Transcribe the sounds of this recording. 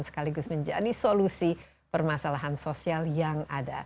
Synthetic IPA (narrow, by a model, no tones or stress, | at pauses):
nsə̥kaliɡʊsməɲd͡ʒa̰disolusi | pərmasalaɦansosialjaŋada̰